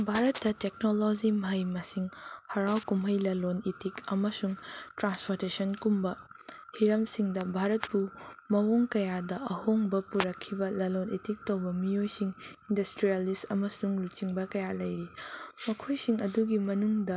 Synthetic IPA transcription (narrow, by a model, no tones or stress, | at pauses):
bʱaɾɐtːɐtek̚nolod͡ʒimɦɐjmɐsiŋhɐɾawkumɐjlɐlonetikɐmɐsuŋtɾanspʰoɾtesɐnkumbɐhiɾɐmsiŋdɐbʱaɾɐt̚pumɐwoŋkɐjadɐʔɐhoŋbɐpuɾɐkʰːibɐlɐlonetik̚tɐwbɐmijojsiŋindɐstɾialistɐmɐsuŋlut͡ʃiŋbɐkɐjalɐjɾimɐkʰojsiŋɐduɡimɐnuŋdɐ